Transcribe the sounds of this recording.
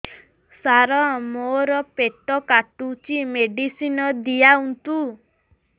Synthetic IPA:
saɾɔmoɾɔpeʈɔkaʈut͡ʃimeɖisinɔd̪ijaunt̪u

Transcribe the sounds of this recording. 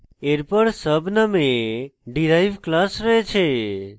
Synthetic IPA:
eɾpəɽsəbʱnəmeɖiɾajʋklasɾəɦet͡ʃʰe

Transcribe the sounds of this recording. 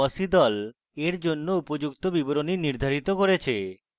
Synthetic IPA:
ɔsid̪ɔl | eɾd͡ʑonːoupod͡ʑukt̪obiboɾoniniɾd̪ʱaɾit̪okoɾet͡ɕʰe

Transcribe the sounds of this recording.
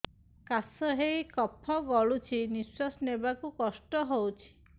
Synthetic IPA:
kasɔɦejkɔpʰːɔɡɔɭut͡ʃʰinisɔsnebakukɔsʈɔɦowt͡ʃʰi̥

